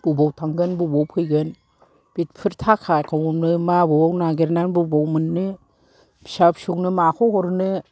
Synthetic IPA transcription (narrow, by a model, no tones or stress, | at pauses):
b̥ubɔwtʰaŋɡɯnbubowpʰɯjɡɯn | b̥it̚pʰɯɾtʰakʰajkʰawŋumnɯmabubɔwnaɡeɾnanbubowmɯnːɯ | bsap̚suk̚nɯmakʰɔhɔɾnɯ